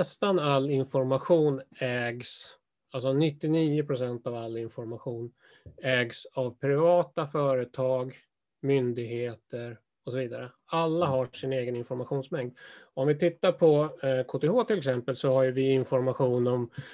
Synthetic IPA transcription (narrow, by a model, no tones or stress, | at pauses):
ɛst̪analːɪnfɔɾmaɧuːnɛːɡs | als̬ɔnɪt̪ːɪniːʊpʰɾʊsɛnt̪avalːɪnfɔɾmaɧuːn | ɛːɡsavpʰɾɪvɑːt̪afœːɾət̪ʰɑːɡ | mʏnd̪ɪɡheːt̪əɾ | ɔsɔviːd̪aɾə | alːaɦaʂɪneːɡənɪnfɔɾmaɧuːnsmɛŋd̪ɔmvɪt̪ʰɪt̪ːaɾpʰɔkʰoːt̪ehoːt̪ʰɪlɛksɛmpəlsɔhajɵvɪɪnfɔɾmaɧuːnɔm